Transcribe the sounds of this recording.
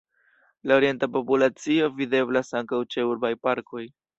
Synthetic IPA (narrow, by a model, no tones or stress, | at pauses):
lao̞ɾije̞ntapo̞pulat͡sio̞vide̞blasaŋkawt͡ʃe̞uɾbajpaɾko̞j